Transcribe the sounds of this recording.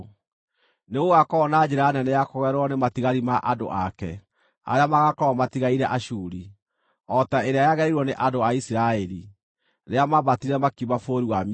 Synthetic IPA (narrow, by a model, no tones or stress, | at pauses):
neɣoɣakɔɔnad͡ʑɛɾanɛnɛjakoɣɛɾwɔnematiɣaɾimaʔado̰ʔakɛ̰ | a̰ɾeamaɣakɔɔmatiɣaiɾɛʔaʃuːɾi | ɔtaeɾeajaɣɛɾiɾwɔneʔadoaisiɾaɛɾi | ɾeamaβatiɾɛmakimafoɾiwam